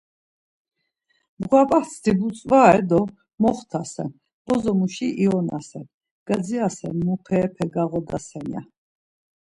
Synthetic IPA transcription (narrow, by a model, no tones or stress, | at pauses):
bɡwapʼah̪ʰd̪ibut͡sʼvaɛd̪ɔ | mɔχt̪ʰasɛ̰n | b̥ɔzɔmuʃiʔiɔna̰sɛn | ɡ̥ad̪d͡ziasɛnmuqʰɛːpʰɛɡaʁɔd̪asɛnja̰